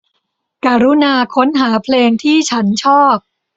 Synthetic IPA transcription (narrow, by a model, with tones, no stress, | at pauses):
ka˧ɾu˦˥naː˧kʰo˦˥nɦaː˩˦pʰleː˧ŋt̪ʰiː˥˩t͡ɕʰa˦˥nt͡ɕʰɔː˥˩p̚